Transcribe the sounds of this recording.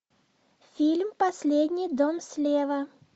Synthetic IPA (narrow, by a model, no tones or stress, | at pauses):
fʲilʲmpɐsʲlʲed̪ʲnʲɪjd̪omsʲlʲevə